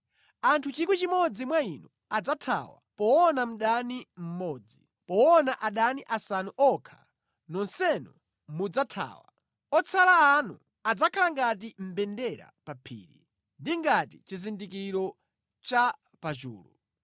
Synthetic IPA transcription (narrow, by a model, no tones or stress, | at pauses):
antʰut͡ʃikwit͡ʃimɔd͡zimwainɔ | ad͡zatʰa̰wa̰pɔwɔnam̩ɗanim̩mɔːd͡zi | pɔwɔnaʔaɗaniʔasanuʔɔkʰa̰ | nɔnsɛnɔ | mud͡zatʰa̰ːwa | ɔt͡sʰalaːnṵ | ad͡zakʰalaŋɡatim̩bɛndɛɾa̰papʰḭːɾḭ | ndiŋɡatit͡ʃizindikiɾɔ | t͡ʃa | pat͡ʃṵːlṵ